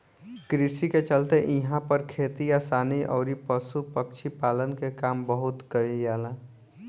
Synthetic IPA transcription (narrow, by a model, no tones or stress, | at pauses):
kɾisiket͡ʃəlt̪eʔiɦãpəɾkʰet̪ijasaniʔɔ̰ʊɾipəsupək̚t͡ʃʰipalənkekaːmbəɦut̪kəɾijala